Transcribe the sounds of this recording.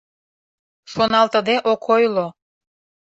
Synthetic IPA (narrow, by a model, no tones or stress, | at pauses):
ʃonɑlt̪ə̆d̪eʔokʰojlo